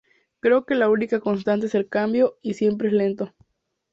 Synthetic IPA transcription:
kɾe̞oke̞launikako̞ns̬t̪ant̪̬eselkambjo̞isje̞mp̬ɾeesle̞nt̪o̞

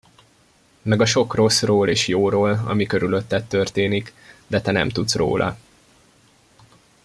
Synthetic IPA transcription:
mɛɡɒʃo̞kro̞sroːleːʃjoːɾoːlɒ̰mikø̞ɾylø̞t̪ːɛt̪ːørt̪eːnikd̪ɛt̪ɛnɛ̰mt̪ut̪sro̰ːlʔɒ̰

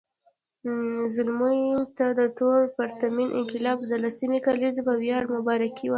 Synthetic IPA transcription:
zʊlmujt̪ad̪ət̪oɾpəɾt̪aminʔɪ̰ŋqɪlɑbd̪əlasimikalizbawjɑɽmʊbɑɾakʰiwa

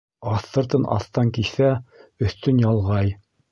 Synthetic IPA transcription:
ɑθːɤ̆ɾt̪ɤnʔɑ̰θt̪ɑŋkiθæɵ̆θt̪ɵnjɑlˠʁɑj

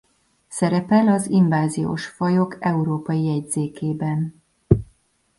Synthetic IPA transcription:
sɛɾɛpɛlɒziɱvaːzijo̰ːʃfɒjo̞kɛuɾoːpɒjiɛɟzeːkeːbɛn

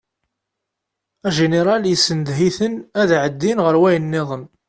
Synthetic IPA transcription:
æʒeneɾˤɑljəsːənd̪ɦiθənæðʕəd̪ːinʁəɾwæjənːɪðˤən

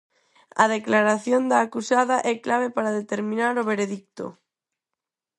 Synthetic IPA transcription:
a̰ð̞eklaɾaθjond̪aːkusaðaʔɛklaβ̞epaɾaðet̪eɾmĩnaɾoβeɾeðik̚t̪o̰

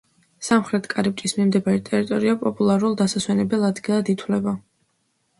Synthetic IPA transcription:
samχɾɛt̪ʰkʼaɾip̚ʼt͡ʃ̪ʼismimd̪ɛbaɾɛt̪ʼɛɾit̪ʼɔɾiapʼɔpʼulˠaɾulˠd̪asaswɛnɛbɛlˠad̪ɡilˠad̪it̪ʰwlɛba

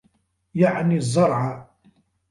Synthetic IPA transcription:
jaʕnizˤːɑɾˤʕɑ

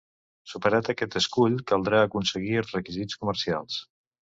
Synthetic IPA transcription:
supəɾat̪əkɛt̪əskuʎkəlˠd̪ɾaəkunsəɣ̞iəlˠzrəkizit͡skuməɾsia̰lˠs

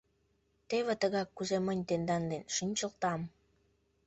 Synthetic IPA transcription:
t̪eβet̪əɣɑkːuzemənʲt̪end̪ɑnd̪enʃinʲt͡ɕəlt̪ɑm

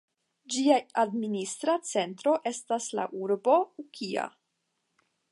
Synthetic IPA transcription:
d͡ʒiaadministɾat͡se̞ntɾo̞ʔe̞stasla̰ʔuɾbo̞ukʰia̰

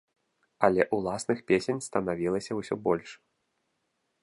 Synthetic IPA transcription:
ɐlʲɛʔulˠasnɨxpʲesʲenʲst̪ɐnavʲilˠɐsʲɐwsʲɔbɔlʲʂ

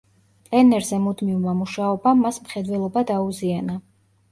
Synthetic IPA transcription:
t̪ʼɛnɛɾzɛmud̪mivmamuʃaɔbamːasmχɛd̪wɛlˠɔbad̪auziana

